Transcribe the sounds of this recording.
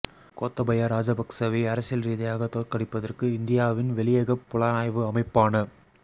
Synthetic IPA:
koːt̪ːɐbɐjɐɾaːd͡ʒɐbɐksɐʋiɐɾɐsɪjɐlɾiːðɐjaːɣɐt̪oːtkɐɽɪpːɐðɐrkɯɪnd̪ɪjaːʋɪnʋɛlɪjeɣɐpːʊlaːnaːjʋɯɐmɐɪpːaːnɐ

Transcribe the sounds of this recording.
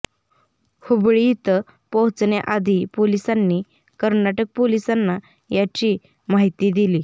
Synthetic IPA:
hubɭit̪ə | pɔɦt͡sneʔad̪ʱiːpolisanːi | kəɾnaʈək̚polisanːa | jat͡ɕiː | maɦit̪iːd̪iliː

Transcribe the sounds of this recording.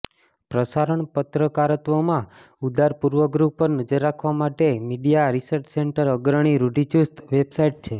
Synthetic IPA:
pɾəsaɾəɳpət̪ɾəkaɾət̪ʋomã | ud̪aɾpuɾʋəɡɾuɦpəɾnəd͡ʒəɾːakʰʋamaʈemiɖijaɾisəɾt͡ʃseɳʈəɾəɡɾəɽ̃iɾuɖit͡ʃust̪ʋebsaiʈ̚t͡ʃʰe

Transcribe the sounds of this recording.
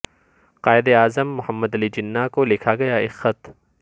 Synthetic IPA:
qaːɪd̪eaːzəmːʊhəmːəd̪ɐlid͡ʒɪnːakolɪkʰaɡɐjaɪsxɐt̪

